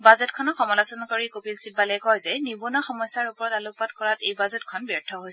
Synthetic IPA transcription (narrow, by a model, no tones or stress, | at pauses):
bazɛtkʰɔnɔxɔmɔlasɔnɔkoɹikopilsibːalɛjkɔjzɛnibunɔxɔmɔjsːaɹupɔɹɔtaluk̚padkɔɹatejbazɛtkʰɔnbɔɹtʰɔɦojs